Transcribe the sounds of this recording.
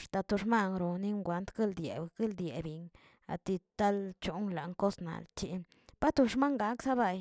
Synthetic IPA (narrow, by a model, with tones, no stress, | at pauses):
ʂt̪a˧t̪u˧ʂma˦ŋɾo˨ni˦ŋɡʷa˨˦nt̪ɡi˦ld̪jḛ˨ɡi˦ld̪je˨bi˨ŋ | a̰˨t̪i˧t̪a˦lt͡ʃu˨˦ŋla˨ŋko˦sna̰˨lt͡ʃi˧ | pa˦t̪u˧ʂma˦ŋɡa˨˦ksa˦ba˧˨j